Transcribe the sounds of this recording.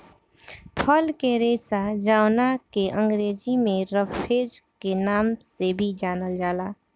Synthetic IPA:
pʰəlkeɾeːsad͡ʒaːʊnakeʔə̃ŋɡɾeːd͡ʒimẽɾəpʰed͡ʒkenaːmsebʱid͡ʒaːnəld͡ʒaːlaː

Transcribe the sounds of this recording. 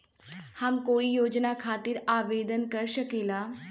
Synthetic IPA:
hamkoːijoːd͡ʒnakʰaːt̪iɾaːʋed̪ənkəɾʃəkela

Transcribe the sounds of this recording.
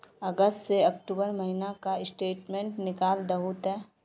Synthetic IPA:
əɡəstseɐk̚ʈuːbəɾmɐɦinakaɪsʈeːʈmẽːɳʈnɪkaːld̪ɐɦut̪ɦɛː

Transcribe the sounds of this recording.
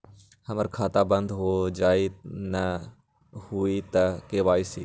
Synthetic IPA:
hɐməɾkʰaːt̪aːbə̃nd̪ɦoːd͡ʒaːinɐ | huit̪ɐkeːʋaːisiː

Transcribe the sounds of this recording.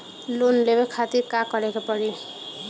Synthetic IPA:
lonlebekʰat̪iɾkakʌɾekapʌɾi

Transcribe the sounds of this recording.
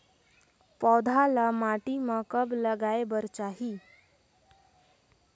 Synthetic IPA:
pɔd̪ʱalamaʈiməkəbləɡaebəɾt͡ʃaɦi

